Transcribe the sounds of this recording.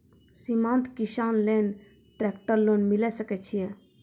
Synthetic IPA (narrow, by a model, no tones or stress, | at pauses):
simãnt̪ʰkiʃaːnlen | ʈɾɛkʈəɾlonmilɛsəkɛt͡ʃʰije